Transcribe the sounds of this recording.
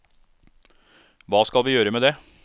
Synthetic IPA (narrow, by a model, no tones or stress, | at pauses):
ʋɑːskɑlʋiːjøːɾəmeːd̪e